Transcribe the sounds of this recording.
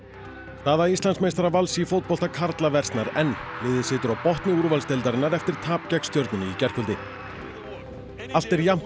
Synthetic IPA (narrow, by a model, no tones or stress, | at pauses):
st̪aːðaist̪lansmejst̪aɾavalsifowt̪̚pɔl̥t̪akʰaɾt̪lavɛr̥t̪naɾɛnlɪːðɪsɪːt̪ʏɾawpɔht̪nɪuɾvalst̪ejlt̪aɾɪnːaɾɛft̪ɪɾ̥t̪ʰaːpcɛkst̪jœɾt̪nʏnɪicɛr̥kʰʏlt̪ɪ | al̥t̪ɛɾjam̥